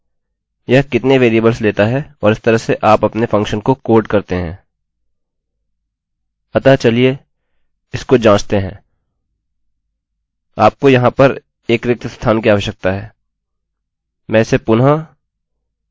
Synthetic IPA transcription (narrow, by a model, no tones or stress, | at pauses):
jɐɦkɪt̪neʋeːɾiəbəlsleːt̪aɦɛɔːɾɪst̪ɐɾəɦseʔaːpɐpnefɐ̃ŋkʃənkokoːɾɖkɐɾt̪eɦɛ̰̃ː | ɐt̪aɦt͡ʃɐlie | ɪskod͡ʒãːt͡ʃt̪eɦɛ̰̃ː | aːp̚kojɐɦãpɐɾ | eːkʋɪk̚t̪st̪ʰaːnkiaːʋəʃjək̚t̪aɦɛː | mɛ̃ːsepʊna